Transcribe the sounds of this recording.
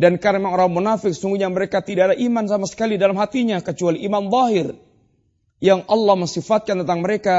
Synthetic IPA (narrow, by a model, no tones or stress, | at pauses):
dankaɾmaŋoɾaŋmunafɪk̚sə̥suŋɡuɲaməɾekat̪idaadaʔimansamasə̥kalidalamɦat̪iɲakət͡ʃualiʔimanðˤɑɦɪr | jaŋʔɑlːɑhməŋsifat̪̚kant̪ənt̪aŋməɾeka